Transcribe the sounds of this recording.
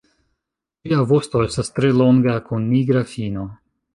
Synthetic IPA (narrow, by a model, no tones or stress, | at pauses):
liavo̞sto̞e̞stast̪ɾe̞lo̞ŋɡakunːiɡɾafino̞